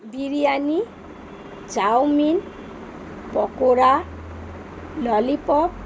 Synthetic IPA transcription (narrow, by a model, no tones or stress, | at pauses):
biɾijani | d͡ʒawmin | pɔkoɾa | lɔlipɔp̚